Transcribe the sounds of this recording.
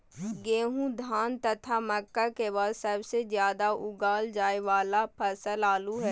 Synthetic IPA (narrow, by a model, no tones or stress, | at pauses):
ɡeːɦũd̪ʱaːnt̪ɐt̪ʰamɐkːakebaːd̪sɐbsezjaːd̪aʊɡaːld͡ʒaːeʋaːlapʰɐsəlaːluɦɛː